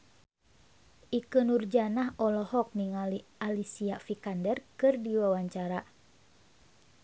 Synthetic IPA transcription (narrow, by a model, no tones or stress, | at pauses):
ʔikənurd͡ʒanaɦɔlɔhɔk̚niŋalialisiafikandɛrkɨrdiwawaɲt͡ʃaɾa